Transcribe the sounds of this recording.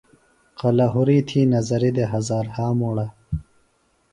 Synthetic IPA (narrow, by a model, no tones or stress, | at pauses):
qɐlaɦuɾiːt̪ʰiːnɐzɐɾid̪eɦɐzaːɾhaːmuɽa